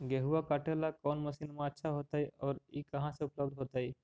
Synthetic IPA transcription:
ɡeɦuʋakaʈʰelakɔːnmɐsiːnmãɐtːʃʰaɦoːt̪aɦiɔːɾikɐɦãseʊpləbd̪ʱɦoːt̪aɦiː

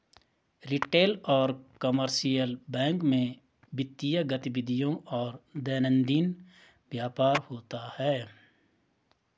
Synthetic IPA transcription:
ɾɪʈeːlɔːɾkəməɾʃijəlbɛ̃ːŋkmẽ | bɪt̪ːijaɡət̪ɪbɪd̪ʱijõʔɔːɾd̪ɛːnə̃nd̪iːn | bjaːpaːɾhoːt̪ahɛː

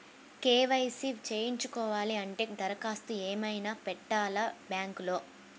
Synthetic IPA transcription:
keːʋɐjsit͡ʃeːjiɲt͡ʃukɔːʋaːliɐɳʈeːd̪ɐɾɐkaːst̪ueːmɐjnaːpɛʈːaːlɐbjaːŋklo̞ː

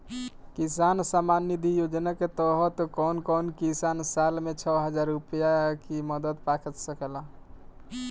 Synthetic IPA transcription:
kisansamanːid̪ʱijod͡ʒnaket̪ɔɦɔt̪kɔnkɔnkisansalmet͡ʃʰɔɦəd͡ʒaɾːupəjakiməd̪əd̪pakʰət̪səkəla

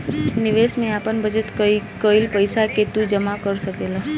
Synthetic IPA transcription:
niʋesmeapəɳbʱəd͡ʒət̪kəilpəjsaket̪ũd͡ʒəmakəɾʃəkela

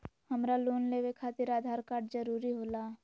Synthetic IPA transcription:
hɐmɾaloːnleːʋekʰaːt̪ɪɾaːd̪ʱaːɾkaːɾʈzɐɾuːɾiɦoːlaː

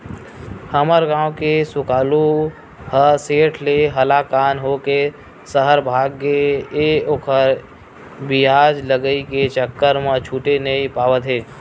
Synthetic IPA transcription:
həməɾɡãːwkesʊkaːlu | həseːʈʰleɦəlakaːnɦoke | səɦəɾbʱaːɡːeeokʰəɾ | bɪjaːd͡ʒləɡəiket͡ʃəkːəɾmə̃t͡ʃʰuːʈenəipaːʋət̪ɦeː

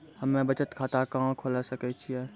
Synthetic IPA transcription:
hɐmːẽbɐt͡ʃət̪kʰaːt̪akãːkʰolasɐkət͡ʃʰiɛː

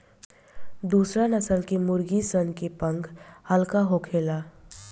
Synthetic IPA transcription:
d̪uːsɾanəsəlkemʊɾɡisənkepə̃ŋkhəlkaɦokʰeːlaː

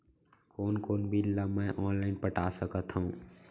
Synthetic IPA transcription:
koːnkoːnbʱilːamɛ̃ʔɔːnlaːɪnpəʈasəkət̪ɦuũː

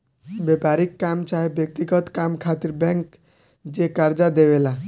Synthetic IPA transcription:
bepaːɾikːamt͡ʃaːɦebjek̚t̪iɡɔt̪kamkʰat̪ɪɾbɛ̃ŋk | d͡ʒekəɾd͡ʒad̪eʋela

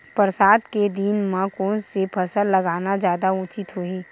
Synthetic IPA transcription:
pəɾsaːd̪ked̪iːnmãkoːnsepʰɐsəllɐɡaːnad͡ʒjaːd̪aʊt͡ʃɪt̪ɦoiː

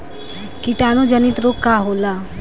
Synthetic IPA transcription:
kiʈanud͡ʒənit̪ɾokkːaɦola

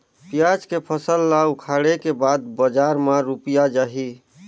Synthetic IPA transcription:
pijad͡ʒkepʰəsəlːaukʰaɽekebad̪̚bəd͡ʒaɾmaɾupijad͡ʒaɦi

